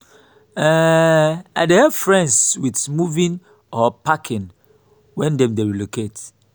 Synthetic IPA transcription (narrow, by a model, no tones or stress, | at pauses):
ɛ | ajdehɛfɹɛ̃ndswidmuvĩn | ɔpakʰĩn | wɛ̃ndɛ̃mdeɹiloket